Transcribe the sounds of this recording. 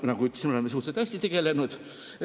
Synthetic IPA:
nɑkuyt̪ːe̥sʲmeolemːesuːt̪set̪æsʲt̪it̪eɡ̥elenut̪

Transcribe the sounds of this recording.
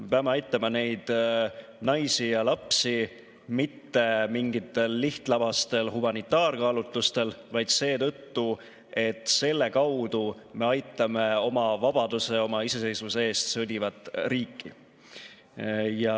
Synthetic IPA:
epeɑme̞ɑjt̪ˑːɑmɑne̞jd̪̥ | nɑjsijɑlɑpsi | mit̪ːe̞miŋɡit̪ːe̞lːiht̪lɑbɑst̪e̞lhumɑnit̪ːˑɑːrkɑːlut̪ːˑust̪e̞lvɑjd̪̥se̞ːt̪ɤt̪ːu | e̞t̪ˑse̞lːe̞kɑwd̪̥u | me̞ɑjt̪ːˑɑme̞o̞mɑvɑb̥ɑd̪̥use̞o̞mɑise̞se̞jsvusee̞ːst̪sɤd̪ʲivɑt̪ːˑriːkʰːi | jɑ

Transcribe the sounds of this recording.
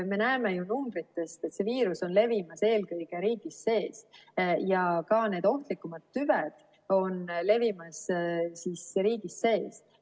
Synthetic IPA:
me̞næemejunumbɾit̪ːe̞st̪e̞t̪se̞viːɾuso̞nle̞vimɑse̞ːlkɤjɡ̥e̞ɾiːɡ̥isːe̞ːsjɑkɑne̞ːd̪̥o̞ht̪likˑːumɑd̪̥̚t̪yvɛd̪̥ | o̞nle̞vimɑssiːsɾiːɡ̥isːe̞ːs

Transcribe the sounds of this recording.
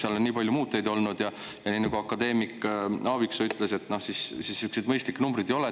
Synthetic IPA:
seɑlo̞nniːpɑlʲjumuːt̪ːˑe̞jd̪o̞lnud̪̥jɑ | jɑniːnɑɡ̥uɑkːɑd̪e̞ːmikːˑɑːviksoyt̪ːˑlese̞t̪ːˑnohsissisːyksid̪mɤjst̪liknumbɾid̪ejo̞le

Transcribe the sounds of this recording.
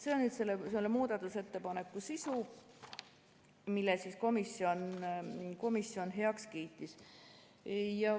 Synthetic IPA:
se̞onnyːd̪se̞lːeseolːemuːd̪̥ɑt̪ːˑuse̞t̪ːe̞pɑne̞kːˑusisu | milːesisko̞misːio̞n | ko̞misjo̞nɦe̞ɑkskiːt̪ːˑis | jɑ

